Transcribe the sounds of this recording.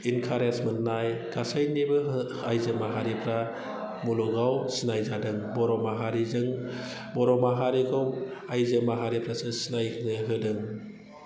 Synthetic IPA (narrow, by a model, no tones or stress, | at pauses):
inkʰaɾensmɯnːajɡ̥asajnibɯ | ajzɯmaɦaɾipʰɾa | muluɡawsinajzadɯŋbɔɾɔmaɦaɾizɯŋ | bɔɾɔmaɦaɾikɔmajzɯmaɦaɾipɾasɯsinajnɯɦɯdɯŋ